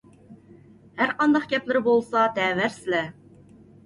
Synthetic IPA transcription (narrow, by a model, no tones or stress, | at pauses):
hæɾqʰɑnd̪ɑqɡʲɛplɪɾɪbolˠsɑt̪ʰɛvæɾsɪlɛ